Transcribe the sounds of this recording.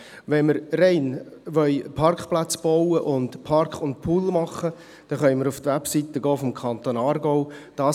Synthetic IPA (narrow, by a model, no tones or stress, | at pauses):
ʋɛnməɾrɛɪn | ʋœʏpʰɑrkχplæt͡sb̥ɔʊəʔʊndpʰɑrkχʊnt̚pʰuːlmɑχə | d̥ɛχœnməɾʊft̪ʋɛpsit̪əɡɔːfɔmkʰɑnt̪oːnɑːɾɡɔʊd̥ɑː